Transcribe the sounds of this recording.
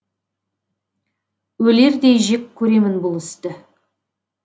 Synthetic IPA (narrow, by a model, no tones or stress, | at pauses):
wɵle̞ɾd̪e̞jʒekʲkʲʰːɵɾe̞mɪnbʊlˠɪst̪ɪ